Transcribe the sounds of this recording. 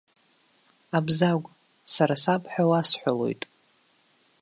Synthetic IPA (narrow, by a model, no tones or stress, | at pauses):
abzaɡʷ | saɾasapʰʼħᶣawasħʷᶣalo̞̰jtʼ